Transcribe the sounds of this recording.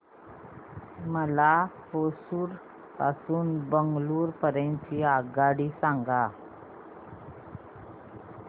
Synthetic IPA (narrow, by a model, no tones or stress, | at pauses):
məlaposuːɾ | pa̰suːnbəŋɡluːɾpəɾẽnt͡ɕiːaɡaɽiːsãŋɡa